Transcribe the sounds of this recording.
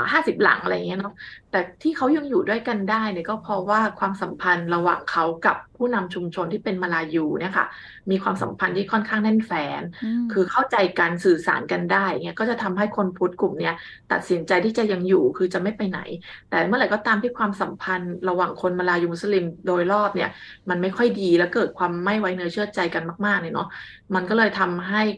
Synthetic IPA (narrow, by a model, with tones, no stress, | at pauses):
haː˥˩si˨˩p̚la̰˩˦ŋʔa˧ɾa˧ja˨˩ŋi˦˥nɔ˦˥t̪ɛː˨˩t̪ʰiː˥˩kʰa˦˥wja˧ŋjuː˨˩du˥˩əjka˧ndaː˥˩jni˧˥˩kɔː˥˩pʰɔː˧waː˥˩kʰwaː˧msa˨˩˦mpʰa˧nɾa˧wa̰ː˨˩ŋkʰa˦˥wka˨˩pʰːuː˥˩na˧mt͡ɕʰu˧mt͡ɕʰo˧nt̪ʰiː˥˩pe˧nmaː˧laː˧juː˧ni˥˩ɐkʰa̰˥˩ | miː˧kʰwaː˧msa̰˩˦mpʰa˧nt̪ʰiː˥˩kʰɔ˥˩nkʰaː˥˩ŋnɛ˥˩nfɛː˨˦nkʰɯː˧kʰa˥˩wt͡ɕa˧jka˧nsɯː˨˩sa̰ː˩˦nka˧ndaː˥˩ja˨˩ŋi˦˥kɔː˥˩t͡ɕa˨˩t̪ʰa˧mɦa˥˩jkʰo˧npʰu˦˥t̪̚klu˨˩mni˦˥ɐ | t̪a˨˩t̪̚si˩˦nt͡ɕa˧jt̪ʰiː˥˩t͡ɕa˨˩ja˧ŋjuː˨˩kʰɯː˧t͡ɕa˨˩ma˥˩jpa˧jna̰˨˩˦jt̪ɛː˨˩mɯ˥˩ɐɾa˨˩jkɔː˥˩t̪aː˧mt̪ʰiː˥˩kʰwaː˧msa˨˩˦mpʰa˧nɾa˧waː˨˩ŋkʰo˧nmaː˧laː˧juː˧u˦˥sa˧li˧mdoː˧jɾɔː˥˩p̚ni˥˩ɐ | ma˧nma˥˩jkʰɔ˥˩jdiː˧lɛ˦˥wkɤː˨˩t̪̚kʰwaː˧mːa˥˩jwa˨˦˥jnɯ˧˦t͡ɕʰɯ˥˩ət͡ɕa˧jka˧nmaː˥˩k̚maː˥˩k̚na˧˩nɔ˦˥ | ma˧nkɔ˥˩lɤː˧jt̪ʰa˧mɦa˥˩j